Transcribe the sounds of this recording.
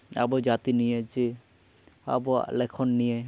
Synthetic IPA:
a̰bɔd͡ʒat̪inijed͡ʒe | a̰bɔlekʰɔnːije

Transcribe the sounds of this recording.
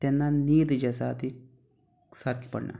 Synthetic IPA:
t̪enːaniːd̪ɨd͡ʒɐsa̰ːt̪i | sɐɾkipɐ̰ɽnʔa̰

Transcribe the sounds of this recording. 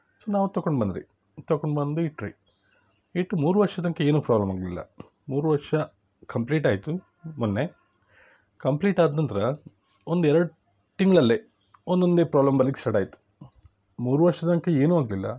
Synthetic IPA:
soːnaːʋut̪ɐkːoɳɖbɐnd̪ɾḭ | t̪ɐkːoɳɖbɐnd̪uiʈːɾḭ | iʈːumuːɾuʋɐɾʂɐd̪ɐŋkeeːnuːpɾaːblɐmaːɡlilːɐ̰ | muːɾuʋɐɾʂɐ | kɐmpliːʈaːjt̪u | munːe | kɐmpliːʈaːd̪nɐnt̪ɐɾɐ | ond̪uɛɾɐɽu | t̪iŋɡɐɭɐlːe | ond̪o̞nd̪eːpɾaːblɐmbɐlːiɡ̥sɐʈaːjit̪u̥ | muːɾuʋɐɾʂɐd̪ɐŋkeeːnuːaːɡlilːɐ̰

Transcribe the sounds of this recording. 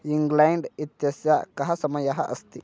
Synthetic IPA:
jiŋɡland̪it̪asakaɦasɐmajaɦa̰ʔɐ̰st̪i

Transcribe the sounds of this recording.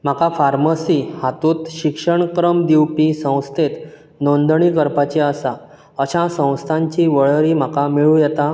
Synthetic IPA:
m̤akafaɾməsiːhat̪uːt̪ɕikʂəɳkɾəmd̪iwpisə̃w̃st̪ʰet̪ | nond̪ɳiːkəɾpat͡ɕiəsa | əɕãsə̃w̃st̪ʰaɲt͡ɕiːʋəɭɾiːm̤akamiɭuːjɛt̪a

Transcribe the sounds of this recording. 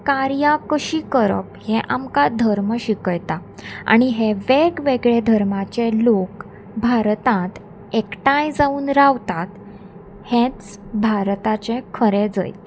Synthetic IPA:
kaɾjakəɕiːkəɾə̰p̚heʔamkad̪ʱəɾməɕikəjt̪aa̰ɽ̃iɦeʋeɡʋeɡɭed̪ʱəɾmat͡ɕelok | bʱaɾt̪ãt̪ | ekʈãjd͡zauːnɾaʋt̪at̪ | hẽt͡s | bʱaɾt̪at͡ɕekʰəɾed͡zə̰jt̪

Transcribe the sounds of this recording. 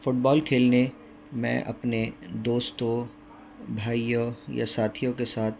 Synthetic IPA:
fʊʈ̚bɔːlkʰeːlne | mɛ̰̃ːʔɐ̰pned̪oːst̪õ | bʱaːijoja̰saːt̪ʰijõkesaːt̪̚ʰ

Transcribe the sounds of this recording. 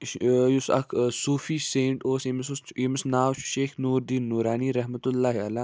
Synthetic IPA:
jusɐ̰kʰsuːfiːsẽːɳʈoːsemsuimɪsnaːwʃeːxnuːɾd̪iːnːuːɾaːniːɾɐɦmɐt̪ulːaːɦiɐlaː

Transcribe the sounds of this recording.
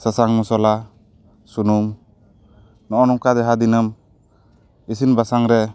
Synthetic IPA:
səsaŋmusɔla | sunum | nɔʔɔnɔmkad̪ɛɦad̪inəm | is̬inbasaŋɾɛ

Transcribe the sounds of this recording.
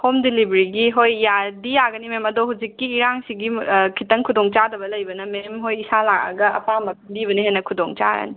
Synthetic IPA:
homdilibɾiɡiɦojjadijaɡɐnimemɐdoɦud͡ʒikːiːɾaŋsiɡikʰitɐŋkʰudoŋt͡ʃadɐbɐlɐjbɐnɐmemɦojisalakɐ̰ɡɐɐ̰pamɐk̚ʰbibɐniɦenɐkʰudoŋt͡ʃa̰ɾɐ̰ni

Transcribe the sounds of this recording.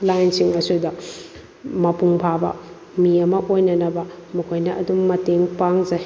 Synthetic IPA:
lajnsiŋɐsudɐ | mɐpuŋpʰabɐ̰ | miɐmɐʔojnɐnɐbɐmukʰojnɐʔɐdumːɐteŋpaŋzɐ

